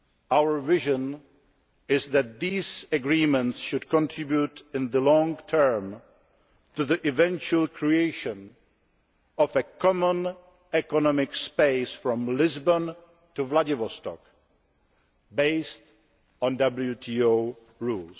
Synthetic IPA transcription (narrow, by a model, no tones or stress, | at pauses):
ʔawə˞vɪʒə̃n | ɪzðæt̪̚ðiːzəɡɹiːmɛ̃ntsʃʊdkʰɔ̃ntʰɹɪbjutɪ̃nðəlɔ̃ŋtʰɜ˞m | tuðiʔɪvɛ̃nt͡ʃuəlˠkʰɹieɪʃə̃n | ɔvəkʰɔmə̃n | ɛkɔnɔmɪkspeɪsfɹɔ̃mlɪzbõn | tuvladɪvɔstɔ̰k | beɪst | ɔ̃ndʌbl̩jutʰiːoʊ | ɹuːls